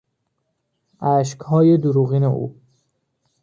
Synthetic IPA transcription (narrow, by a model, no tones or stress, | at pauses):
ʔæʃ̬khɒːjed̪uɾuːɣiːneʔṵː